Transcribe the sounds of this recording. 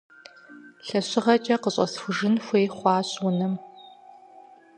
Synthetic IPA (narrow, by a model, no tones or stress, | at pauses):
ɬɐɕɪʁɐt͡ʃʼɐqəɕʼɐ̰sxʷʊʒɪnxʷeːχʷɑːɕwʊnɐm